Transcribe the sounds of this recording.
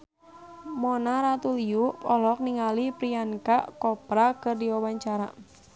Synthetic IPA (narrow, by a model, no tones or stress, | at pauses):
mɔnaɾat̪ulijuʔpɔlɔk̚niŋalipɾiankaʔkɔpɾakɨrdiwawaɲt͡ʃaɾa